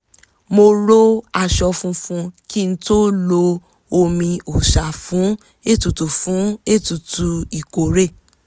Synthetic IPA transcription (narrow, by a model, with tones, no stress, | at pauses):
mo˧ɾo˦a˧ʃɔ˧fũ˧fũ˧ki˦n̩˦to˦lo˧ | o˧mĩ˧o˨ʃa˨fũ˨˦ | e˦˨tu˨tu˨fũ˨˦e˦˨tu˨tu˧i˨ko˨ɾe˦˨